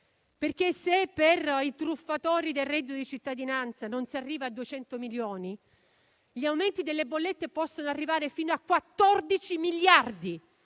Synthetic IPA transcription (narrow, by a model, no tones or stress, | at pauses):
perkesepːerit̪ɾufːat̪ɔːɾid̪elrːɛd̪ːiod̪it͡ʃit̪ːad̪inant̪sanonsiarːiːvaːd̪uet͡ʃɛnt̪omiljoːni | ʎiawment̪id̪elːebolːet̪ːepɔsːonoarːivaːɾefiːnoakːwat̪ːɔrd̪it͡ʃimilːard̪i